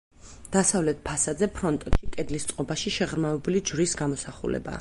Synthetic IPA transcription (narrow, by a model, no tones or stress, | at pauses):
d̪̥asavlɛt̪̚ʰpʰasad̪zɛpʰɾɔnt̪ʼɔt̪ʃikʼɛd̪list̪sʼqʼɔbaʃiʃɛʁɾmavɛbulid͡ʒɾisɡamɔsaχṵlɛ̰ba̰